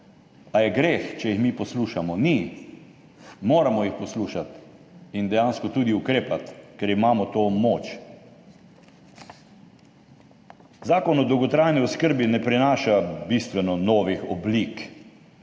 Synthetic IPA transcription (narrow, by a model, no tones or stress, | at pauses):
ajɛɡɾeːxt͡ʃɛjixmipɔsluːʃamɔni | moːɾamɔjixpɔsluːʃat̪ | ind̪ɛjanskɔt̪uːd̪iukɾeːpat̪kɛɾimaːmɔt̪oːmoːt͡ʃ | zaːkɔnɔd̪ɔwɡɔt̪ɾaːjniɔskəɾbinɛpɾɛnaːʃabist̪ʋɛnɔnɔːʋixɔ̰blik